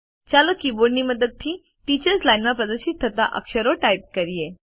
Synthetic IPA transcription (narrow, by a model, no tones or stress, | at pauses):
t͡ɕalokiboɾniməd̪əd̪̚t̪ʰiː | ʈit͡ɕəɾslajnʋapəd̪əɕit̪ʰːət̪a̰ʔə̰kɕəɾoʈajp̚kəɾije